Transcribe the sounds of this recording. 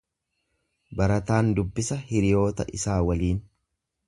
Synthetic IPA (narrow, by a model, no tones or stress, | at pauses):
bɐɾɐt̪aːnd̪ʊbːɪsɐhɪɾɪjo̞ːt̪ɐʔɪsaːwɐliːn